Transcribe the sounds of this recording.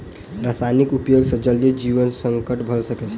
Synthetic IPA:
ɾasanikupjoɡsə̃d͡ʒəld̪ed͡ʒiʋənsəŋkəʈbʱəsəkɛt͡ʃʰ

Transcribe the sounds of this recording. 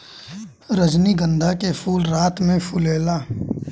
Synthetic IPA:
ɾəd͡ʒniɡə̃nd̪ʱakepʰuːlɾaːt̪mẽpʰʊleːlaː

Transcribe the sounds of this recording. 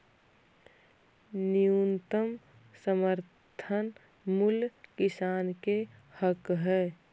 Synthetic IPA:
nijunt̪əm | səməɾtt̪ʰən | mulkɪsaːnkehəkɦɛː

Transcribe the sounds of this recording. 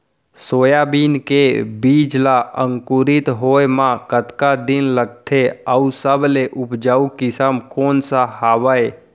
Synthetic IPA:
soːjabinkebid͡ʒlaəŋkuɾit̪ɦoemãkət̪kad̪ɪnləɡ̚t̪ʰeəusəbʱleʔʊpd͡ʒaːukɪsəmkoːnsaɦaːwəe

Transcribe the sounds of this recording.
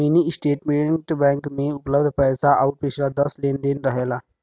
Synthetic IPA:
minisʈeʈmeʈbɛ̃ŋkmeupləbd̪ʱpəjsaʔawpit͡ʃʰilad̪əslend̪enɾəɦela

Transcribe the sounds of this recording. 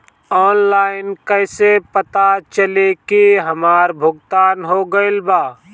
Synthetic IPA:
ɔːnlaːɪnkəːsepət̪at͡ʃəlekiɦɐmaːɾbʱʊɡt̪aːnɦoɡɐɪlbaː

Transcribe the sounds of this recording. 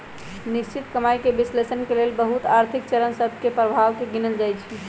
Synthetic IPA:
niʃt͡ʃit̪kəmajkebislesənkelelbəɦut̪aɾt̪ʰik̚t͡ʃəɾənsəbʱkepɾəbʱaʋkeɡinəld͡ʒajt͡ʃʰi

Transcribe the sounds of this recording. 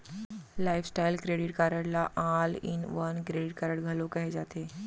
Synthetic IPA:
laifsʈajlkɾeɽiʈkaɾəɽlaʔãlḭnʋənkɾeɽiʈ̚kaɾəɽɡʱəlokəɦed͡zat̪e

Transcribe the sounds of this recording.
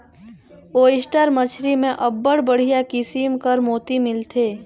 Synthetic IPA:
oːɪsʈəɾmət͡ʃʰɾimẽʔɐbːəɽbəɽ̤ijakɪsimkəɾmoːt̪imɪlt̪ʰeː

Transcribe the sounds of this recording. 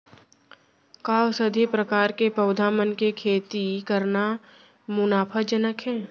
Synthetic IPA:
kaːsəd̪ʱipɾəkaːɾkepɐʊd̪ʱaːmənkekʰeːt̪ikəɾna | mʊnaːpʰəd͡ʒənəkɦɛ̃ː

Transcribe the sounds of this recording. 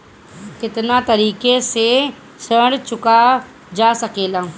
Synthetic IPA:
kɪt̪nat̪ɐɾiːkese | səːɽt͡ʃʊka | d͡ʒaːsɐkeːlaː

